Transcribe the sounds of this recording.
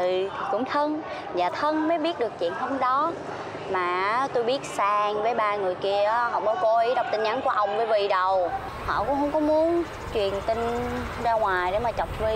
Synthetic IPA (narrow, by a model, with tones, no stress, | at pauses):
t̪ʰi˨˩kʊ̰˧˥ŋ͡mt̪ʰə˧n | zaː˨˩t̪ʰə˧nməː˨˦ɓi˦˥ət̚ɗɨ˨˩ək̚t͡ɕwḭ˧˨ənɦə˧mɗɔ˨˦ | maː˨˩ʔt̪o˧jɓi˦˥ət̚saː˧ŋvəː˨˦jɓaː˧ŋɨ˨˩əjki˧əʔːɦɔ̰˧˨mə˨˦ko˧˦ʔi˨˦˥ɗɔ˨˩wk͡p̚t̪i˧ŋ̟ʔa˨˦nku˧˩əʔə˧wŋ͡mvəː˨˧˦jvḭ˧˨ɗə˨˩w | hɔ̰˧˨kʊ̰˧˥ŋ͡mhə˧˥wŋ͡mkɔ˨˦mu˨˦ən | t͡ɕwi˨˩ənt̪ï˧ŋ | zaː˧ŋwaː˨˩jɗe˧˦maː˨˩t͡ɕɔ˨˩wk͡p̚vi˧˦